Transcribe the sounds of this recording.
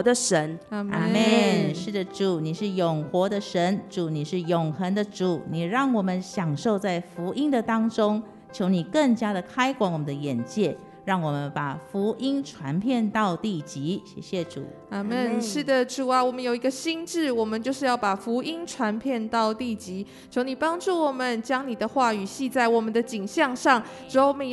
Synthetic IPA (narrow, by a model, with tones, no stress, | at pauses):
d̪ə˨ʂə˧˥n˧ma˧˩mɛ˥˨nʂɻ̩˥˩d̪ə˩ʈ͡ʂu˨˩ni˨˩ʂɻ̩˥˩jʊ˨˩ŋxwɔ˧˥d̪ə˧ʂə˧˥nʈ͡ʂu˨˩ni˨˩ʂɻ̩˥˩jʊ˨˩ŋxə˧˦˥nd̪ə˧ʈ͡ʂu˨˩˦ni˨˩ɻɑ˥˩ŋwɔ˨˩mə˦nɕjɑ˨˩ŋʂo˥˧ʊt͡sa˥˩ɪfu˧˥ʔi˥nd̪ə˨t̪ɑ˥ŋʈ͡ʂʊ˥ŋ | t͡ɕʰjo˧˥ʊni˨˩kə˥˩ŋt͡ɕja˥d̪ə˨kʰa˥ɪkwa˨˧˦nwɔ˨˩mə˦d̪ə˧jɛ˨˩nt͡ɕjɛ˥˩ | ɻɑ˥˩ŋwɔ˨˩mə˦npa˨˩fu˧˥ʔi˥nʈ͡ʂʰwa˧˦˥npʰjɛ˥˧nt̪ɑ˥˧ʊt̪i˥˩t͡ɕi˧˦ɕjɛ̰˨˩ɕjɛ˥˧ʈ͡ʂṵ˨˩ | a˥˧˩mə˥˩nʂɻ̩˥˩d̪ə˩ʈ͡ʂu˨˩a˦wɔ˨˩mə˦njo˨˩ʊi˧˥ɡə˧ɕi˥nʈ͡ʂɻ̩˥˩wɔ˨˩mə˨˦nt͡ɕjo˥˧ʊʂɻ̩˥˧jɑ˥˩ʊpa˨˩fu˧˥ʔi˥nʈ͡ʂʰwa˧˥npʰjɛ˥˧nt̪ɑ˥˧ʊt̪i˥˩t͡ɕi˧˥ | t͡ɕʰjo˧˥ʊni˨˩pɑ˥ŋʈ͡ʂu˥˩wɔ˨˩mə˦nt͡ɕjɑ˥ŋni˨˩d̪ə˦xwa˥˩y˨˩ɕi˥˧t͡sa˥˩ɪwɔ˨˩mə˦nd̪ə˧t͡ɕi˨˩ŋɕjɑ˥˧ŋʂɑ˥˩ŋ | ʈ͡ʂ̩˧˥o˥m˧